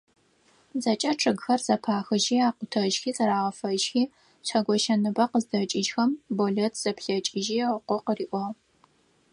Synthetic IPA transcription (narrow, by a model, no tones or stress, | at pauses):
zɐt͡ʃʼɐʈ͡ʂʰʼɨɡxɐrzɐpʰaːxɨʒiːaːqʷʊtʰɐʒxiːt͡sʼɐɾaːʁɐfɐʒxiː | ɕʷʰɐɡʷɔʃɐnɨbɐqəzdɐt͡ʃʼɪd͡ʒxɐmboɮɐtʰz̥ɐpɬɐt͡ʃʼɪʒiːʁəqʷɔqəriːʔʷɔʁ